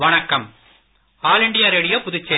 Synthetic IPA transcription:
ʋɐɳɐkːɐm | aːlɪɳɖɪjaɾɛɽɪjɐpʊðɪt͡ʃːɐ

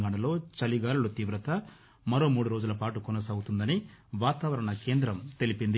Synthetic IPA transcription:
ɡaːɳɐlo̞ːt͡ʃɐliɡaːɾulut̪iːʋɾɐt̪ɐ | mɐɾo̞ːmuːɽuɾoːd͡ʒulɐpaːʈukɔnɐsaːɡut̪und̪ɐniʋaːt̪aːʋɐɾɐɳɐke̞ːnd̪ɾɐmt̪e̞lipind̪i

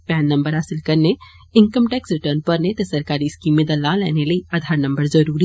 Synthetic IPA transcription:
pɛːnːɐ̃mbəɾɦaːsɪlkɐɾne | ɪ̃ŋkəmʈɛːksɾɪʈəːɾnpɐɾnet̪esɐɾkaːɾiɪskiːmẽd̪ɐlaːlɛ̰ːneləiaːd̪ʱaːɾnɐ̃mbəɾzɐɾuːɾi

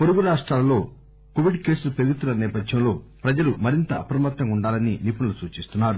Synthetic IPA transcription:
poɾuɡuɾaːʂʈɾaːlɐlo̞ː | koʋiɖke̞ːsuupeɾɡut̪unɐnɛːpɐdʱjɐmlo̞ːpɾɐd͡ʒɐlumɐɾint̪ɐʔɐpɾɐmɐt̪ːɐmuɳɖaːlɐninipunulusuːt͡ʃist̪unːaːɾu

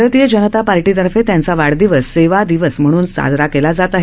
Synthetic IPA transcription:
ɾət̪ijəd͡ʑənət̪apaɾʈit̪əɾfet̪jant͡saʋaɽd̪iʋəseʋad̪iʋəsm̤əɽ̃uːnsa̰d͡zɾakelad͡zat̪aɦe

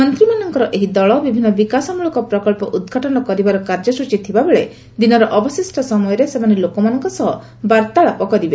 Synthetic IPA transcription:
ɔnt̪ɾimanɔŋkɔɾɔʔeɦid̪ɔɭɔbibʱinːɔbikasɔmuɭɔkɔpɾɔkɔɭpɔʔud̪ɡʱaʈɔnɔkɔɾibaɾɔkaɾd͡ʒɔsut͡ʃit̪ʰibabeɭe | d̪inɔɾɔʔɔbɔsisʈʰɔsɔmɔjɔɾesemanelokɔmanɔŋkɔsɔɦɔ | baɾt̪aɭapɔkɔɾibe

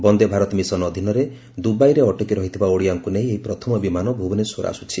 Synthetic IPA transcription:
bɔnd̪ebʱaɾɔt̪ɔmisɔnɔd̪ʱinɔɾe | d̪ubajɾeɔʈɔkiɾɔɦit̪ʰibaoɽijaŋkuneɦĩeɦipɾɔt̪ʰɔmɔbimanɔbʱubɔnesoɾa̰sut͡ʃʰi

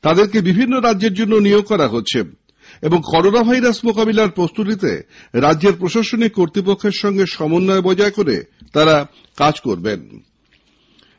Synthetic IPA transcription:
t̪ad̪eɾkebibʱinːoɾadd͡ʑeɾd͡ʑonːonijoɡ̚kɔɾaɦotːɕʰe | eboŋkɔɾonabʱajɾasmokabilaɾpɾost̪ut̪it̪ḛ | ɾadːʑeɾpɾoʃaʃonikːoɾt̪ɾipokʰːeɾʃɔŋɡeʃɔmonːɔebɔd͡ʑaekoɾḛt̪aɾa | kad͡ʑkoɾben

